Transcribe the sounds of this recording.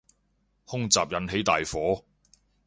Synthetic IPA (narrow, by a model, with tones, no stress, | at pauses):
hʊ˥ŋt͡saː˨p̚jɐ˨˧nɦe˨˥jt̪aː˨jfɔː˨˥